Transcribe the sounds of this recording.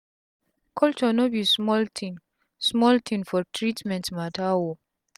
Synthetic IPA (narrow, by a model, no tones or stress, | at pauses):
kʰɔlt͡ʃɔnobismɔltʰĩn | smɔltʰĩnfɔtʰɹitmɛ̃ntmatʰawo